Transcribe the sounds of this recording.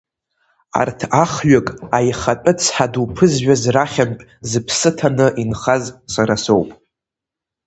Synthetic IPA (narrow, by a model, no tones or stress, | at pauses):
a̰rtʰaχɥakʼajχat͡pʼɨt͡sʰħadupʰɨzɥᶣazraχʲanpʼzɨpʰsɨtʰanɨʔinχazsaɾasowpʼ